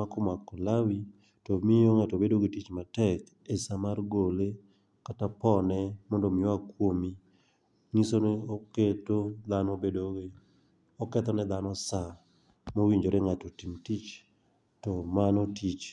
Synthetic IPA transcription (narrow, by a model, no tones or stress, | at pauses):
akʊmakɔlawi | tɔmɪjoŋatobedoɡitit͡ʃmatɛk | esamarɡole | katapɔnɛmɔndomɪɔakwomi | ŋisoneoketod̪anɔbedoɡe | ɔkɛt̪ɔnɛd̪anɔsa | mowiɲd͡ʒoɾeŋatotimtit͡ʃ | tɔmanɔtit͡ʃ